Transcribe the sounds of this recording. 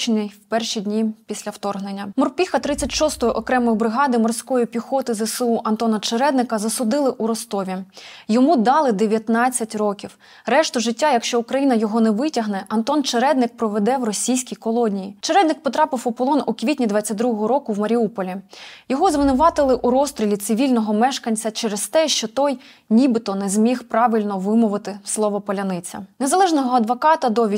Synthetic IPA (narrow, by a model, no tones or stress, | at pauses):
t͡ʃnɪjwpɛrʃidʲnʲipʲisʲlʲɐwt̪ɔrɦnenʲːɐmɔrpʲixɐt̪ɾɪt͡sʲːɐtʲʃɔst̪ɔjʊʔɔkɾɛmɔjʊbɾɪɦɑd̪ɪmɔrsʲkɔjipʲixɔt̪ɪzeseuʔɐnt̪ɔnɐt͡ʃeɾɛd̪nɪkɐzɐsʊd̪ɪlˠɪʔuɾɔst̪ɔʋʲijɔmud̪ɑlˠɪd̪eʋʲjɐt̪nɑt͡sʲːɐtʲrɔkʲiw | rɛʃt̪ʊʒɪtʲːajɐkʃt͡ʃɔukɾɐjinɐjɔɦɔnɛʋɪtʲɐɦnɛʔɐnt̪ɔnt͡ʃeɾɛd̪nɪk̚pɾɔʋed̪ɛwrɔsʲijsʲkʲijkɔlˠɔnʲijit͡ʃeɾɛd̪nɪk̚pɔt̪ɾɑpɪwɔpɔlˠɔnukʋʲitʲnʲid̪ʋɑt͡sʲːɐt̚ʲd̪ɾuɦɔɦɔɾɔkʊwmɐɾʲiupɔlʲijɔɦɔzʋɪnʊʋɑt̪ɪlˠɪʔuɾɔst̪ɾʲilʲit̪sɪʋʲilʲnɔɦɔmɛʃkɐnʲt͡sʲɐt͡ʃɛɾest̪ɛʃt͡ʃɔt̪ɔj | nʲibɪt̪ɔnɛzmʲixpɾɑʋɪlʲnɔʋɪmʊʋɪt̪ɪslˠɔʋɔpɔlʲɐnɪt͡sʲɐ̰nezɐlˠɛʒnɔɦɔɐd̪ʋɔkɑt̪ɐd̪ɔʋʲ